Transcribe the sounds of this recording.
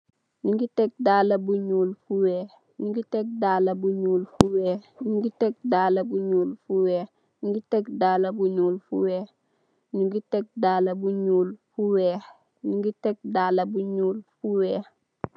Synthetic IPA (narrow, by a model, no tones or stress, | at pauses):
niŋɡitek̚daːlɐbuɲuːlfuweː | niŋɡitek̚daːlɐbuɲuːlfuweːhniŋɡitek̚daːlɐbuɲuːlfuweː | niŋɡitekdaːlɐbuɲuːlfuweː | niŋɡitek̚daːlɐbuɲuːlfuweːh | niŋɡitek̚daːlɐbuɲuːlfuweː